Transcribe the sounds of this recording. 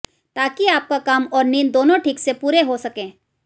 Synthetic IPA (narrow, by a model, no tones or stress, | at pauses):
t̪aːkiaːp̚kakaːmɔːɾniːnd̪oːnõʈʰiːksepuːɾeɦosɐkẽː